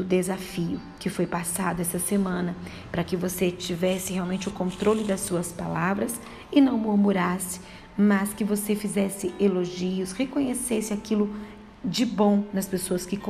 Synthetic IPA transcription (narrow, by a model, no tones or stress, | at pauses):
ʊd̪ezafiʊkɪfojpasad̪ʊɛst̪ɐsemɐ̃nɐ | pɾɐkɪvoset͡ʃivɛsɪheawmẽnt͡ʃɪʊkõnt̪ɾolɪd̪ɐsuɐspalavɾɐs | ɪnɐ̃w̃muɾmuɾasɪ̥ | mɐskɪvosefizɛsɪeloʒiʊshekõɲesesɪakilʊ | d͡ʒɪbõnɐspesoɐskɪk